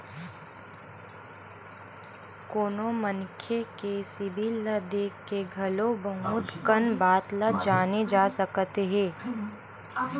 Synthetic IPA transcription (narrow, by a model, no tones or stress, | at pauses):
koːnomənkʰekesɪbʱiləd̪eːkeɡʱɐlobɐɦũːt̪kənbaːt̪lad͡ʒaːned͡ʒaːsəkt̪eɦɛ̃ː